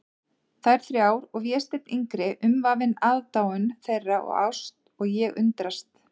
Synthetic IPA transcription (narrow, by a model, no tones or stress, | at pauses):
θajɾ̥θɾjaːwɾɔɣvjɛːst̪ɪt̪nʔiŋkɾɪʔʏmvavɪnaːðt̪aːwʏnθejrːaʔɔ̰ɣa̰wst̪ | ɔɣjɛɣʏ̰nt̪ɾast̪